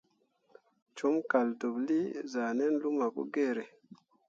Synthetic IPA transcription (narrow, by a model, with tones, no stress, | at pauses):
t͡ʃu˦mka˨ldo˨bli˦za˨ne˦nlu˦ma˨kṵ˦ɡe˦˨ɾe˨